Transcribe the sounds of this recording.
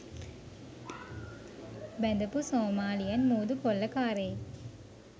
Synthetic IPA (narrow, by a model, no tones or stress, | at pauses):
bɛnd̪ɐpusoːmaːlijɐnmuːd̪ukolːɐkaːɾej